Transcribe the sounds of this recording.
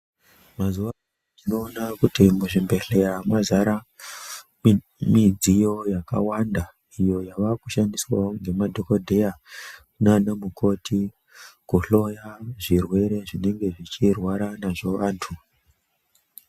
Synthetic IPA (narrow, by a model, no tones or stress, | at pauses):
mazuʋa | inoːnakutimuʐimbe̞ɬejamazaɾa | mid͡zijo̞jaka̰wanda | ijo̞jaʋakuʃandiswaoŋɡe̞madʱo̞kodʱe̞ja | nanemukʰo̞tʰi | kuɬo̞jaʐirwe̞ɾe̞ʐine̞ŋɡe̞ʐit͡ʃirwaɾanaʐo̞ʋaːntʰu